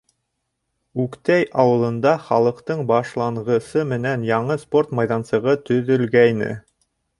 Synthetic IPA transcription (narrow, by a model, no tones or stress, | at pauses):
ʉkt̪æjʔɑwɤ̆lˠɤ̆nd̪ɑχɑlˠɤ̆qt̪ɤɴbɑʃlˠɑɴʁɤ̆sɤmɘ̆nænjɑɴɤspo̞rt̪mɑjðɑnsɤ̆ʁɤt̪ɵ̆ðɵ̆lɡæjnɘ̰